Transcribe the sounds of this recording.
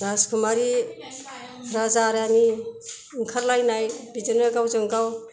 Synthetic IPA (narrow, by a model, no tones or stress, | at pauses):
naskʰumaɾi | ɾazaɾani | ŋkʰaɾlajnajbid͡ʒɯnaɡawzɯŋɡaw